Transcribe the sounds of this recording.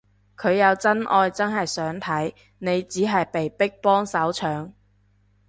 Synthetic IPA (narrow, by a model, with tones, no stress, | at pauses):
kʰɵ˨˧ɥjɐ˨˧wt͡sɐ˥nʔɔː˧jt͡sɐ˥nɦɐ˨jsœː˨˥ŋt̪ʰɐ˨˥j | ne˨˧jt͡siː˨˥ɦɐ˨jpe˨jpɪ˥k̚pɔː˥ŋsɐ˨˥wt͡sʰœː˨˥ŋ